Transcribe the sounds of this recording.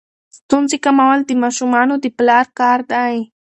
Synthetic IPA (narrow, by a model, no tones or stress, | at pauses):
t̪ʊnt͡sɪkamawalt̪ɪmaʃʊmanʊd̪ɪplaɾkaɾd̪aj